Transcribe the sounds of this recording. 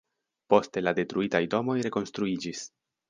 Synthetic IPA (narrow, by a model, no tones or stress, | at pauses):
po̞ste̞lade̞tɾuitajdo̞mo̞jɾe̞ko̞nst̪ɾuid͡ʒis